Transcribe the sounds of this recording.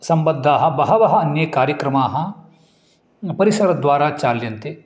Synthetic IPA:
sɐmbɐd̪ʱːaːɦɐ̆bɐɦɐʋɐɦɐɐnjɐkaːɾjɐkɾɐmaːɦɐ̆ | pɐɾisɐɾɐd̪ʋaːɾaːt͡ʃaːljɐnt̪e

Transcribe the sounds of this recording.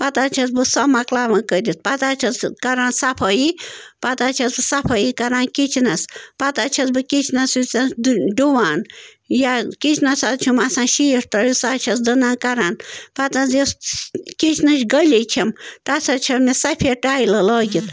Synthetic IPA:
pɐt̪aːt͡ʃʰɐs̬bɨsɔmɐklaːʋɐ̃kəd̪ʲit̪̚pɐt̪at͡ʃʰɐt͡skɐɾaːnsɐpʰɐjipɐt̪at͡ʃʰɐsbɨsɐpʰɐjikɐɾaːnkit͡ʃʰinɐspɐt̪at͡ʃʰɐsbɨkit͡ʃʰnɐsut͡sɐnsɖuʋaːn | jakit͡ʃʰnɐsat̪t͡ʃʰumasãːnʃiːʂt̪ɐjusat͡ʃʰɐsd̪ɨnaːnkɐɾaːnpɐt̪ɐnsiskit͡ʃʰnɐʃɡəlʲit͡ʃʰimt̪at͡sʰɐt͡ʃʰɐmʲisɐpʰeʈaːilɐlɔːɡʲit̪

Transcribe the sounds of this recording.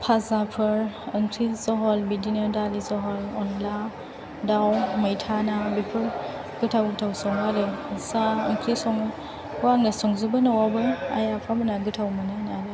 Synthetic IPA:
pʰazapʰɯɾɯŋkʰɾizɔɦɔlbidinɯdalizɔɦɔlɔnla | dawməjtʰanabipʰɯɾ | ɡɯtʰawɡɯtʰawsɔŋaɾɯsaɯŋkʰɾisɔŋ | kuaŋnasɔŋzubɯnawabɯa̰japʰamɯnaɡɯtʰawmɯnɯnaɾɯ

